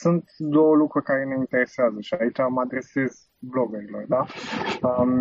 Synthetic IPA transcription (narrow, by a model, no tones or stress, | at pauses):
sunt̪d̪o̞wəlukɾurʲkaɾe̞neint̪e̞ɾe̞seazəʃiait͡ʃamad̪ɾe̞se̞z | blo̞ɡuɾilord̪aə